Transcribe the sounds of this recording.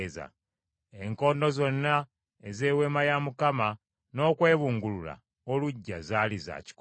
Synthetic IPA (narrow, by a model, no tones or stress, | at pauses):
za̰ | eŋko̞ːndo̞zo̞nːa | eze̞ːwe̞ːmajamukama | no̞ːkwe̞ːβuːŋɡulula̰ | oluɟːazaːliza̰ːci̥k